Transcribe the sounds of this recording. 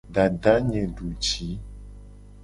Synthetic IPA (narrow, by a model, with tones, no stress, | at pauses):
ɖa˨dɖa˨˦ɲẽ˨ɖu˨t͡ʃi˨˦